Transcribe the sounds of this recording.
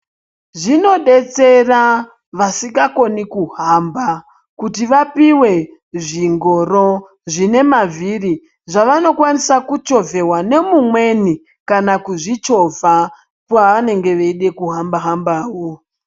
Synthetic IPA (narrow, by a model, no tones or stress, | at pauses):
ʐino̞ɗe̞t͡se̞ra | ʋasiɡako̞nikuɦamba | kutiʋapiwe̞ | ʐiŋɡo̞ɾo | ʐine̞maviri | ʐaʋano̞kwanisakut͡ʃo̞ve̞ɦwane̞mumwe̞ni | kanakuʐit͡ʃo̞va | pwaane̞ŋɡe̞ʋeiɗe̞kuɦambaɦambaːwo